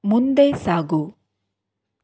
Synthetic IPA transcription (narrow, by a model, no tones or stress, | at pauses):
mund̪eːsaːɡu